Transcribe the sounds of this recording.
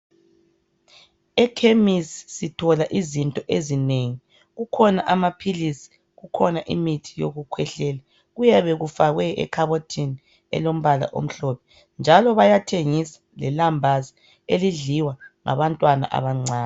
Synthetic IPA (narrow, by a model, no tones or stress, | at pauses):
ɛkʰemisːitʰɔlaʔizintʼɔʔezineŋi | ɣukʰɔnaʔamapʰilisi̥ | ɣukʰɔnaʔḭmitʰijo̰ɣukʰwɛɬɛla | ɣujɛβɛɣufaɣwɛɛ̰kʰaβotʰini | ɛ̰lom̩βala̰ʔo̰m̩ɬɔpɛ̥ | nd͡ʒʱalɔβajatʰeŋisḁlɛlambʱazi | eliɮiwaŋa̰βantʼwana̰ʔa̰βaŋ͡ǀʱaːn